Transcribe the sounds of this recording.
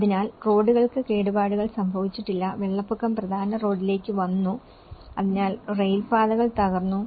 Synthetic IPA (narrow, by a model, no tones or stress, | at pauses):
ɐðinaːlro̞ːɖuɣɐɭkɨke̞ːɽubaːɽuɣɐɭsɐmbʱɐʋit͡ɕːiʈːilːɐʋe̞ɭːɐpːukːɐmprɐd̪ʱaːnɐro̞ːɖile̞ːkːɨʋɐnːu | ɐðinaːlrejlfaːðɐɣɐɭt̪ɐɣɐrnːu